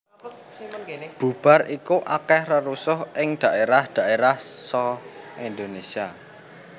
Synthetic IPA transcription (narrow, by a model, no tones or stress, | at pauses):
b̥ṳb̥a̤rikuʔakɛhrəɾusʊhʔɪŋd̪̥a̤ʔeɾahd̪̥a̤ʔeɾahsɔind̪onesia